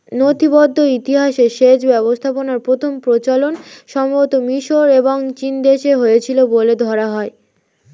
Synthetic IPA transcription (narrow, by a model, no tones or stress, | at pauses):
not̪ʰibɔd̪ʱːoit̪iɦaʃeʃed͡ʑbɛbost̪ʰaponaɾpɾot̪ʰompɾot͡ɕalonʃɔmot̪omiʃoɾeboŋt͡ɕind̪eʃeɦojet͡ɕʰiloboled̪ʱɔɾaɦɔe